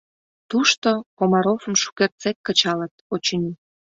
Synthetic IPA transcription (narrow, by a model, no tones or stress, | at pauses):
t̪uʃt̪okomɑɾofəmʃu̥kert̪t͡sekkət͡ɕɑlət̪̚ot͡ɕəni